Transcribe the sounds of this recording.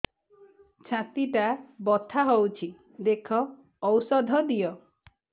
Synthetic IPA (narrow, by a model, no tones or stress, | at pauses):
t͡ʃʰãt̪iʈabɔt̪ʰaɦowt͡ʃʰi | d̪ekʰɔː | wɾsɔd̪ʱɔd̪ijɔ